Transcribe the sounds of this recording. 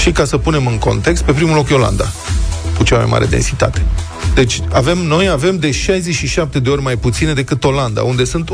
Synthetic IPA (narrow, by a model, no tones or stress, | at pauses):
ʃikasəpune̞mɨŋko̞̰nt̪e̞kst̪̚pe̞pɾimulo̞kjo̞la̰nd̪a̰kut͡ʃama̰jma̰ɾʔḛd̪ensit̪a̰t̪e̞̥ | d̪e̞t͡ʃʲave̞mno̞jave̞md̪e̞ʃajzeʃiʃap̚t̪e̞d̪e̞o̞rʲmajput̪sine̞d̪e̞kɨt̪o̞land̪a̰und̪e̞sunt̪